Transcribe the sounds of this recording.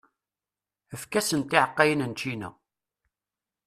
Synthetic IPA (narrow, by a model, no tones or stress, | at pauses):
əfkæsənt̪ɪʕəqːɑjənənt͡ʃinæ̰